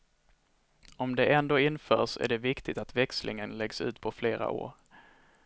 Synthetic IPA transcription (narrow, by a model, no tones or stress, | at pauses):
ɔmd̪ɛʔɛnd̪oːɪnːfœːʂæ̰ɖɛvɪkt̪ɪt̪at̪vɛkslʔɪ̰ŋənlɛɡsʉ̟ːt̪pʰɔfleːɾa̰ʔo̰ːɾ